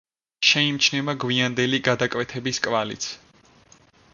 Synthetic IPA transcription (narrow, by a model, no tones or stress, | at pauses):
ʃɛimt͡ʃʰnɛvaɡwiand̪ɛliɡad̪akʼvɛt̪ʰɛbiskʼvalḭt̪sʰ